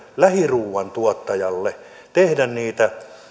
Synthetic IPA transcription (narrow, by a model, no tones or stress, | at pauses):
læhiruːʋˑɑnt̪uot̪ːɑjɑlːe | t̪ehdænniːt̪æ